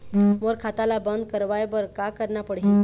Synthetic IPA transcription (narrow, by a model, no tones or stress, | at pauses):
məɾkʰat̪alabənd̪kəɾʋajbəɾkakəɾɳapəɽɦi